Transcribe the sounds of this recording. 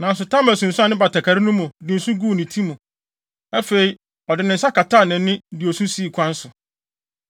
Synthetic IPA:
nã˨n˦s̬ʊ˨tʰã˦mæ˨sũ˨n̩sʊ˦a˦˨nɪ̃˦ba˨ta˨kʰa˨ɾɪ˦nʊ̃˦mʊ̃˨dɪ˨n̩˦sʊ̃˦ɡuː˦˨nɪ̃˨tʰi˦mũ˨ | æ˦fe˨i˨ | ɔ˨dɪ˨nɪ̃˨n̩˦sa˦ka˨tʰaː˦˨nɪ̃˨˦nɪ̃˦dɪ˨ɔ˨sũ˦si˦˨kʰʷã˦n̩˦sʊ˨

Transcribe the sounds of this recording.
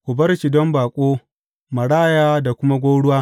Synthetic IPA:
ʔʷʊ˨bɐ˦rt͡ʃi˨dɔ˦mbaː˨kʷʼoː˦ | mɐ˨ɽaː˦jaː˦da˨kʷʊ˦ma˦ɡʷoː˦ɽʊ˦waː˦

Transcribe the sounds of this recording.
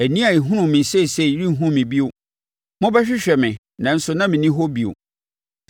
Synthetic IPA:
æ˨nĩ˦a˨i˨ɦʊ̃˦nʊ̃˨mɪ̃˨n˨sɛ˦˨sɛ˦˨˦ɾĩ˦ɦũ˦mɪ̃˨bi˦o˨ | mʊ̃˦bɛ˦ɕᶣɪ˦ɕᶣɛ˨mɪ̃˨ | nã˨n̩˦sʊ˨nã˦mɪ̃˨nĩ˦ɦɔ˦bi˦o̰˨

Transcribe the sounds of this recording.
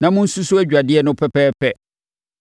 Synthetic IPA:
nã˨mʊ̃˦n̩˦su˦su˦æ˦d͡ʑᶣa˨dɪ˦ɛ˦nʊ̃˦pʰɛ˦pʰɛː˦pʰɛ˦

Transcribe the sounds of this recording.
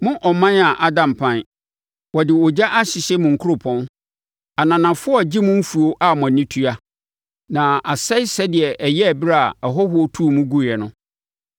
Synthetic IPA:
mʊ̃˦ʔɔ˨mã˦na˨ʔa˦dã˨m˨pʰã˦n | wɔ˨dɪ˨ɔ˨d͡ʑa˦ʔa˦ɕɪ˨ɕɛ˦mʊ̃˨ŋ̩˨kʰʊ˦ʊ˦pʰɔ̃˦n | a˨nã˨nã˨fʊ˦ɔ˦˨d͡ʑi˦mʊ̃˦m̩˦fu˨o˦ʔa˦˨m̃˨ã˨nĩ˦tʰu˦a˦ | nã˨a˨sɛ˦ɪ˦sɛ˦dɪ˨ɛ˨ʔɛ˨jɛ˦˨bɾa˦a˨ɛ˨ɦɔ˦hʊ˦ɔ˦tʰu˦˨mũ˦ɡu˦˨ɛ˨nʊ̃˦

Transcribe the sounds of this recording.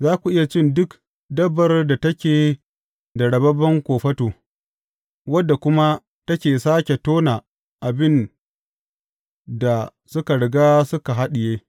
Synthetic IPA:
zaː˦kʷu˨ʔɪ˦ja˨t͡ʃɪ˦˨ndʊ˦k | dɐ˦bɐ˨rda˨tɐ˦kʲeː˨ | da˨ɽɐ˨bɐ˦bɐ˦ŋkʷoː˨ɸɐ˦toː˨ | wɐ˦dːa˨kʷʊ˦ma˦ | tɐ˦kʲeː˨saː˦kʲe˨toː˦na˨ | ʔa˨bɪ˦n | da˨ | sʊ˦ka˨ɽɪ˨ɡaː˦sʊ˦ka˨ɦa˦ɗɪ˨jeː˦

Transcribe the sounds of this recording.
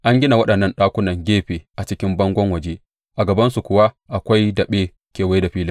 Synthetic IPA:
ʔa˦ŋɡʲɪ˦na˨wɐ˦ɗɐ˨nːɐ˦nɗaː˦kʷʊ˦nɐ˨ŋɡʲeː˦ɸeː˨ʔa˨t͡ʃɪ˦kʲɪ˦mbɐ˦ŋɡʷɔ˦ŋwɐ˨d͡ʒe˦ | ʔa˨ɡɐ˨bɐ˦nsu˨kʷʊ˨wa˦ | ʔa˨kʷa˦jdɐ˨ɓeː˦ | kʲeː˨wa˦da˨ɸiː˦lɪ˦

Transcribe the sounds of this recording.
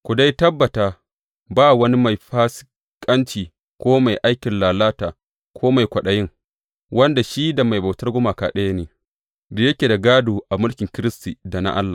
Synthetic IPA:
kʷʊ˨da˦jtɐ˦bːɐ˨taː˨ | baː˦˨wɐ˦ni˦ma˨jɸaː˦sɪ̥˦ | kʼɐ˦nt͡ʃiː˨ | kʷoː˦ma˨jʔa˦jkʲɪ˨nlaː˨laː˦taː˨ | kʰʷoː˦ma˨jkʷɐ˨ɗa˨jɪ˦ŋ | wɐ˦nda˨ʃiː˦da˨ma˨jba˨tɐ˦rɡʷʊ˦maː˨kaː˨ɗe˦ja˦neː˨ | da˨jɐ˦kʲeː˨da˨ɡaː˦doː˨ʔa˨mʊ˦lkʲɪ˨ŋkʲɪ˦ɾɪ˦stiː˨da˨na̰˦ʔa̰˦lːa˨

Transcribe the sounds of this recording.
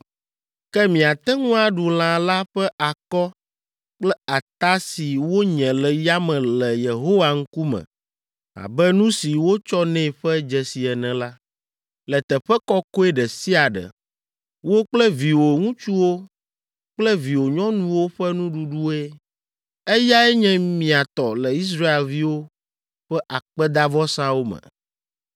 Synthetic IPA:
kɛ˦mĩ˨a˨t̪ɛ˦ŋũ˦a˨ɖu˨l̃ã˨la˦ɸɛ˦ʔa˨kɔ˦ | k͡plɛ˦a˨t̪a˦si˨wo˦ɲɛ̃˨lɛ˨ja˦mɛ̃˨lɛ˨je˨ɦo˦wa˨ŋ̩˦ku˦mɛ̰̃˨ | a̰˨bɛ˦nũ˦si˨wo˦t͡ʃɔ˦nɛ̃˦˨ɸɛ˦d͡ʒɛ˨si˨ɛ˨nɛ̃˨la˦ | lɛ˨t̪ɛ˨ɸɛ˦kɔ˦ko˦e˦ɖɛ˨si˦a˨ɖɛ̰˨ | wo˦k͡plɛ˦vi˨wo˨ŋũ˦t͡ʃu˦wo˦ | k͡plɛ˦vi˨wo˨ɲɔ̃˦nũ˦wo˦ɸɛ˦nũ˦ɖu˦ɖu˦e˦ | ɛ˦ja˦ɛ˦ɲɛ̃˦mĩ˨a˨t̪ɔ˨lɛ˨i˦s̬ɾa˦e˨lvi˦wo˦ | ɸɛ˦ʔa˨k͡pɛ˦d̪a˦vɔ˦sã˦wo˦mɛ̰̃˨

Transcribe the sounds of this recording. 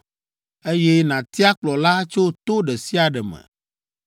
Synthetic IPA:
e˦jɛ˦nã˨t̪i˦a˦k͡plɔ˨la˦t͡ʃo˦t̪o˦ɖɛ˨si˦a˨ɖɛ˨mɛ̰̃˨

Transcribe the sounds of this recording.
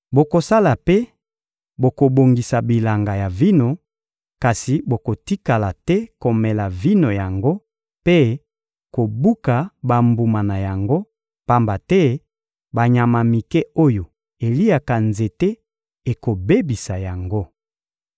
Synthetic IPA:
bo˨ko˨sa˦la˨pe˦ | bo˨ko˨bo˨ŋɡi˨sa˨bi˨la˨ŋɡa˨ja˨vi˦no˨ | ka˨si˨bo˨ko˨ti˦ka˨la˨tɛ˦ko˨mɛ˨la˨vi˦no˨ja˨ŋɡo˦ | pe˦ | ko˨bu˦ka˨ba˨mbu˨ma˨na˨ja˨ŋɡo˦ | pa˦mba˨tɛ˦ | ba˨ɲa˨ma˨mi˨kɛ˦o˦jo˨ | e˨li˦a˨ka˨nze˨te˦ | e˨ko˨be˦bi˨sa˨ja˨ŋɡo˦

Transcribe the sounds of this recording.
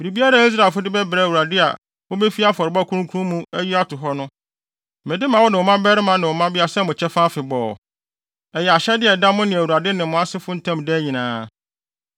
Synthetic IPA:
bi˨ɾi˨bi˦a˦ɾa˦i˦s̬ɾa˨fʊ˦dɪ˦bɛ˦bɾɛ˨˦˨wu˨ɾa˨dɪ˦a̰˨ | wo˦be˦fi˦a˦fɔ˨ɾɪ˨ba˦˨kʰu˦ũ˦kʰu˦ũ˦mũ˦æ˦ji˦a˦tʰʊ˨ɦɔ˦nʊ̃˦˨ | mɛ̃˨dɪ˦mã˨wɔ˦nɪ̃˨ɔ˨mã˦bɛ˦ɾɪ˦mã˦nɪ̃˨wɔ˨mã˦bɪ˦a˨sɛ˦mʊ̃˨t͡ɕʰɛ˦fã˦fɪ˨bɔː˨ | ɛ˨jɛ˨a˨ɕɛ˦dɪ˦ɛ˨da˦mʊ̃˦nɪ̃˨æ˨wu˨ɾa˨dɪ˦nɪ̃˨mʊ̃˨˦a˦sɪ˦fʊ˦n̩˦tʰã˦mdɛ˦ɲĩ˨nãː˨˦

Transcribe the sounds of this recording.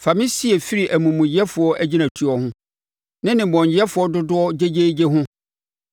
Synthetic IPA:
fa˨mĩ˦si˦ɛ˨fi˦ɾi˨ʔæ˨mũ˨mũ˨jɛ˦fʊ˨ɔ˦ʔæ˦d͡ʑi˦nã˨tʰu˦ɔ˦hʊ̃˦ | nɪ̃˦nɪ̃˨bɔ̃˨n˨jɛ˦fʊ˨ɔ˦dʊ˦dʊ˦ɔ˦d͡ʑe˦d͡ʑe˦d͡ʑe˦ɦʊ̃˦

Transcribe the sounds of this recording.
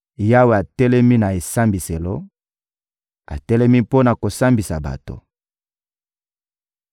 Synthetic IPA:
ja˦we˨a˨tɛ˦lɛ˦mi˦na˨e˨sa˦mbi˨se˨lo˦ | a̰˨tɛ˦lɛ˦mi˦po˦na˨ko˨sa˦mbi˨sa̰˨ba̰˨to̰˨

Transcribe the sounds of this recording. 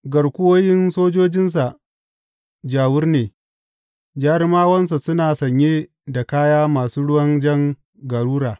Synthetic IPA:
ɡɐ˨ɽkʷʊ˦woː˦jɪ˦nsoː˦d͡ʒoː˦d͡ʒɪ˦ns̬a˨ʔ | d͡ʒaː˨wʊ˦rneː˨ | d͡ʒaː˦ɾɪ˦maː˦wɐ˦ns̬a˨sʊ˦naː˨sɐ˨ɲjeː˦ | da˨kaː˦jaː˦maː˨suː˦ɽʊ˦wɐ˦nd͡ʒɐ˦ŋ | ɡɐ˨ɽuː˦ɽaː˨

